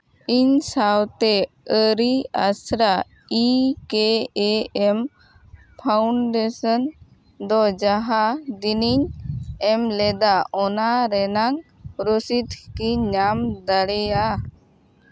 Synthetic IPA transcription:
iɲsawt̪ɛ | əɾia̰sɾa | ikɛɛɛm | pʰawɳɖɛsɔn | d̪ɔd͡ʒaɦad̪iniɲɛmlɛd̪aʔɔnaɾɛnaŋ | ɾusit̪kiɲamd̪əɽɛja

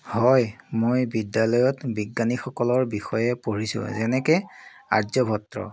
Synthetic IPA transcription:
hɔjmojbidjalɔjɔtbiɡːanixɔkɔlɔɹbixɔjɛpoɹisʊ̰̃zɛnɛkɛa̰zɔbʱɔtɹɔ̰

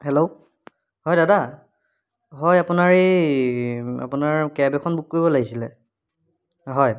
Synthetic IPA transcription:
hɛlo | ɦɔjdada | ɦɔjapunaɹe | a̰punaɹkɛbɛkʰɔnbukkoɹibɔlaɡisilɛ̰ | ɦɔj

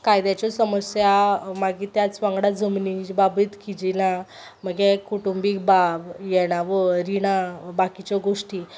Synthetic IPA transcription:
kajd̪jat͡ɕɔsəməsjamaɡit̪jat͡sʋãŋɡɽad͡zʱəmnibabət̪kid͡ʑila | məɡɛkuʈumbik̚babjɛɽ̃aʋəɾiɽ̃abakit͡ɕɔɡoʂʈi

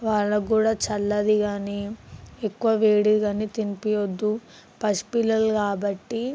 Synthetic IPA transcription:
ʋaːɭːɐkuːɽaːt͡ʃɐlːɐd̪iɡaːniekːuʋɐʋeːɽiɡaːnit̪inipijɐd̪ːu | pɐspilɐlkaːbɐʈːi

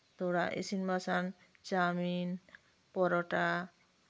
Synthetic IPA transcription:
t̪ɔɽaʔḛsinbasan | t͡ʃamin | pɔɾɔʈa

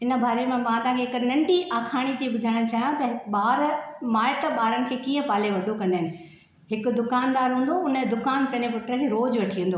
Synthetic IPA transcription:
ɪnə̆bʱaːɾemẽmãːt̪ãːkʰeɦɪknɐ̃ɳʈiʔaːkʰaːɽ̃it̪ibʊd̪ʱaːɽ̃t͡ɕaːɦjãt̪ɐɓaːɾmaːɪʈ̪əɓaːɾəɽ̃ɪ̆kʰeːkiːə̃paːleʋɐɖʱokɐ̃nd̪aɦɪnɪ̆ | ɦɪkʊ̆d̪ʊkaːnd̪aːɾɦũːn̆d̪oʊnəd̪ʊkaːnpɐ̃ɲepʊʈɾəkʰeːɾoːd͡ʑʋɐʈʰiə̃nd̪oː

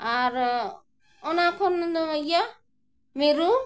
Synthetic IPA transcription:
aɾ | ɔnakʰɔnd̪ɔja | meɾu

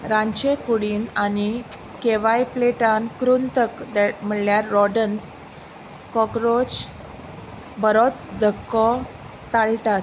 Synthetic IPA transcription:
ɾãɲt͡ɕekuɽiːnani | keʋajpleʈankɾunt̪əkd̪ɛm̤əɽljaɾːɔɖəns | kɔkɾot͡ɕ | bəɾɔt͡sd̪ʱəkːɔ | t̪alʈat̪

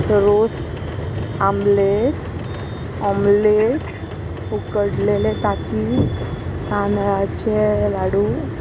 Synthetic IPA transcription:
ɾos | amleʈ | ɔmleʈ | ukəɽlelet̪at̪i | t̪anɾat͡ɕelaɽu

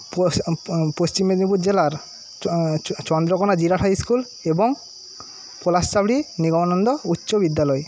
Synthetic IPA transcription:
popost͡ɕimed̪nipuɾd͡ʑelaɾ | t͡ɕɔnd̪ɾɔkonad͡ʑiɾaʈʰajskul | eboŋ | polast͡ɕabɽiniɡɔmanɔnd̪ɔutːɕobid̪ːalɔe

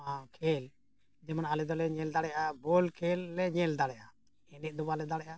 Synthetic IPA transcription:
akʰɛl | d͡ʒɛmanalɛd̪ɔlɛɲɛld̪aɽɛjʔabɔlkʰɛlːɛɲɛld̪aɽɛʔa | ɛnɛt̪̚d̪ɔbalɛd̪aɽɛʔa

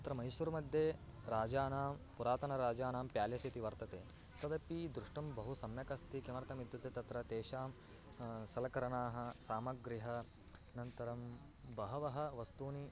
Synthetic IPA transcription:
t̪ɐt̪ɾɐmɐjʃʋɐɾumɐd̪ʱjeːɾaːd͡ʒaːnaːmpuɾaːt̪ɐnɐɾaːd͡ʒaːnaːmpjaːljɐsit̪iʋɐɾt̪ɐt̪eː | t̪ɐd̪ɐpid̪ɾuʂʈɐmbɐɦusɐmjɐkɐst̪ikemɐɾɐt̪ɐmid̪ʱjut̪et̪ɐt̪ɾɐt̪eːʃaːm | sɐlɐkɐɾɐɳaːɦɐ̆saːmɐɡɾiɦɐ | nɐnt̪ɐɾɐm | bɐɦɐʋɐɦɐ̆ʋɐst̪uːni

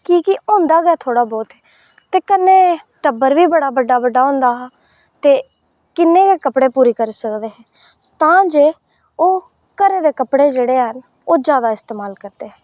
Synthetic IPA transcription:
kiːkɪõːnd̪aːɡɛːt̪ʰoːɽaːbɔːt̪ɦɛː | t̪eːkənːeː | ʈəbəɾʋiːbəɽaːbəɖːaːbəɖːaːɦõʊ̃ːnd̪aːɦː | t̪eː | kɪnːẽːkeːkəpɽeːpuːɾiːkəɾsəkd̪eːɦɛ̃ː | t̪ãːd͡ʒeː | oː | kəɾeːd̪eːkəpɽeːd͡ʒeːɽeːɦən | oːd͡ʒjaːd̪aːɪst̪eːmaːlkəɾd̪eːɦɛ̃ː

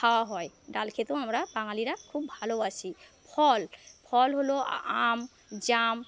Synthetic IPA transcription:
kʰawaɦɔjdalkʰet̪uamɹabaŋaliɾakʰubʱaloasipʰɔlpʰɔlɦoloam | zam

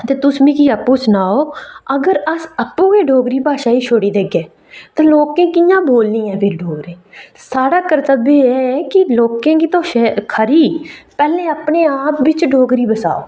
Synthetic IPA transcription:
t̪eːt̪ʊsmĩːkiːəpːũːsnaːoːəɡəɾəsəpːũːkeːɖoːɡɾiːbʱaːʃaːiːt͡ʃʰoːɽiːd̪eːɡeː | t̪ãːloːkẽːkɪjãːboːlnĩːɛ̃ːpʰɪɾɖoːɡɾẽːsaːɽaːkəɾt̪əbeːɛːkɪloːkẽːkiːt̪oːʃekʰəɾiːpɛːlẽːəpneːaːpʋɪt͡ʃɖoːɡɾiːbəsa̰ːo̰ː

